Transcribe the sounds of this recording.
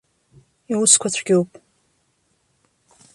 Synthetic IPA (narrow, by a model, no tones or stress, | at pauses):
iwʊskʷʰatʷʰɡʲowpʼ